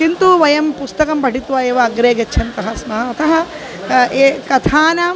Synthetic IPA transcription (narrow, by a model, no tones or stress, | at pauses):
kint̪uʋɐjɐmpust̪ɐkɐmbɐɽit̪uʋaːeːʋɐːɡɾeːɡɐt͡ʃːʃʰɐnt̪ɐɦɐsmɐɦɐːt̪ʰɐɦɐ | eːkɐt̪ʰaːnaːm